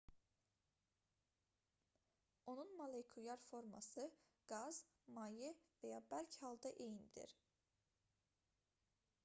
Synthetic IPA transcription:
o̞nunmalejkʰujɑɾfoɾma̰sɯ | ɡ̥ɑz | mɑjɯvɛjɑːbælʲcʰhɑlˠd̪ɑʔejind̪ḭɾ̥

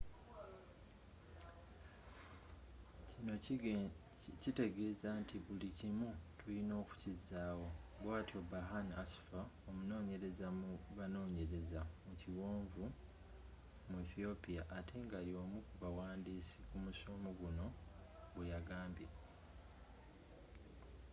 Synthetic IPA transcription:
cino̞ | cite̞ɡe̞ːzaːntʰiβulicimutulino̞ːku̥cizːaːwo̞βwaːtiobaɦanasu̥faomuno̞ːɲe̞ɾe̞zamuβano̞ːɲe̞ɾe̞zamuciwoːɱvu | mueθio̞pijaʔːtʰe̞ŋɡalio̞mukuβawaːndiːsikumusoːmoɡuno̞βwejaɡaːmbje

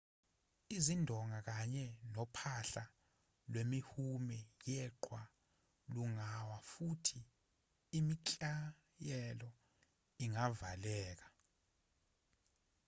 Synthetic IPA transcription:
izindʱɔŋʱak̬aɲɛnɔpʰaɬa | lwemihumɛjɛǃwa | luŋawafutʰiː | micʼa | jɛlɔ | iŋavalɛːk̬ḁ

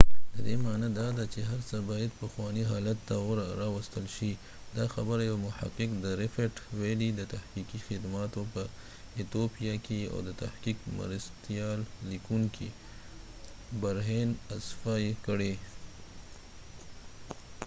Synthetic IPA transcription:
d̪əd̪emɑnad̪ɑd̪at͡ʃeɦaɾsəbɑjad̪pəxwɑniɦɑlat̪ːawɾɾɑwast̪əlʃi | d̪ɑxabəɾajawmʊha̰qːɪkd̪əɾɪfeʈwelid̪ət̪ahqikixɪd̪mɑt̪opə | ɪt̪opijakea̰wd̪ət̪a̰hqikmə̰ɾast̪ijɑlːikuŋkʰi | baɾɦenasfɑjekəɽe

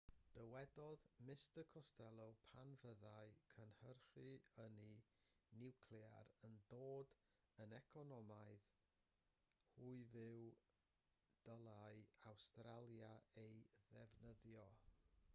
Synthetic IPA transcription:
d̥əwɛdɔðmɪstəkʰɔstʰɛlˠopʰanvəðaɨkʰənhərχɨəninɪwkʰlja̰ɾəndoːd | ənɛkʰɔnɔmaɨð | huɨvɪw | d̥əlˠaɨawstralˠjaejðɛvnəðjɔ

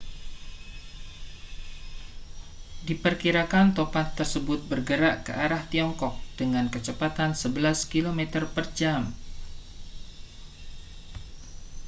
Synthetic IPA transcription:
dipərkiɾakant̪opat̪ːərsəbʊt̪̚bərɡəɾaʔkə̰ʔaɾaht̪iɔŋkɔk̚d̥əŋankət͡ʃəpat̪ansəbəlaskilomɛt̪ərpərd͡ʒam

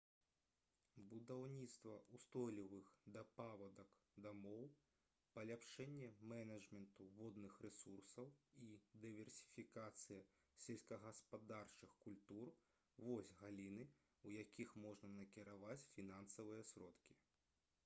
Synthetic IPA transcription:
bud̪awnʲit̪st̪vɐʔust̪ɔlʲivɨxd̪ɐpavɐd̪ɐkd̪amɔw | pɐlʲapʂɛnʲːɛmɛnɐd͡ʐmʲɛnt̪uvɔd̪nɨxrɛsursɐwid̪ɨvʲɛrsʲi̥fʲikat̪sɨjɐ | sʲɛlʲsʲkɐɣɐspad̪art͡ʂɨxkulʲt̪ur | vɔsʲɣalʲinɨ | ujakʲʰixmɔʐnɐnɐkʲiɾavat͡sʲfʲinansɐvɨjɐsʲɾɔt̪kʲi

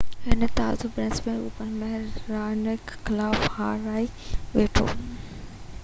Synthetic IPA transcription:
ɪnət̪aːzʊbɾɛ̃nsmẽṵːpənmɐɦɛɾːaːnɪkxɪlaːfhaːɾaːiʋeːʈʰo̰ː

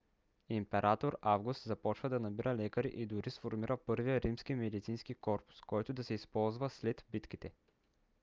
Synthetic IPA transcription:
impɛɾat̪oɾavɡust̪zɐpɔt͡ʃvəd̪ɐnɐbiɾəlɛkəɾḭʔid̪ʊɾisfoɾmiɾəpɤɾvijəɾimskimɛd̪it̪sinskikɔɾpʊ̥skɔjt̪ʊd̪ɐsɛispɔlˠzvəslɛt̪bit̪kit̪ɛ

